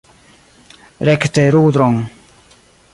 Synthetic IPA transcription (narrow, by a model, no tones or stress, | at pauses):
ɾɛkt̪eɾuːd̪ɾɔŋ